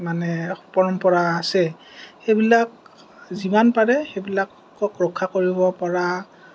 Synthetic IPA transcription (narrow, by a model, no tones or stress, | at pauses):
manɛpɔɹɔmpɔɹaːsɛ | xejbilak | zimanpaɹɛxejbilakː | ɔkɹɔkʰːakoɹibɔpɔɹa